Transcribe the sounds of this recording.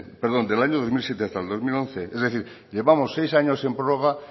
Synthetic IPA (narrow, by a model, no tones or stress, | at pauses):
peɾðo̞nd̪elaɲoð̞o̞zmilsjet̪east̪ald̪o̞zmilõn̟θeezðeθiɾ | ʎe̞βamosːejsaɲose̞mpɾoroɣ̞a